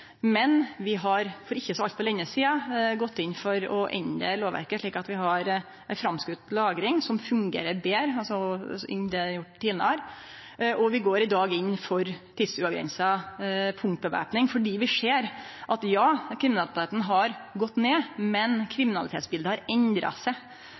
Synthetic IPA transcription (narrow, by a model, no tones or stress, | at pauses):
mɛnʋɪɦɑɾfɔɾɪçːəsɔɑlt̪pʰɔlɛŋːəsiːɑɡɔt̪ːɪnːfɔɾɔʔɛnə̰loːʋæ̰ɾkəʂɭiːkɑt̪ʋɪɦɑɾ | æɪfɾɑmskʉt̪lɑːɡɾɪŋsɔmfʉŋɡḛːɾəɾbeːɾəɑlsɔɪ̰nd̪ɛjʊʈːt̪ːiːlənəɑɾ | ʔɔʋɪɡoːɾɪd̪ɑːɡɪnːfɔɾt̪ʰɪd̪sʉɑʋɡɾɛ̰nsɑpʰʊŋt̪̚bəʋæ̰ːpnɪŋfɔɖiːʋɪʂeːɾʔɑt̪jɑːkʰɾɪmɪnɑlɪt̪ʰeːt̪n̩ɦɑɾɡɔt̪ːneːmɛnkʰɾɪmɪnɑlɪt̪ʰeːt̪sbɪld̪əhɑɾɛnd̪ɾɑ̰sæɪ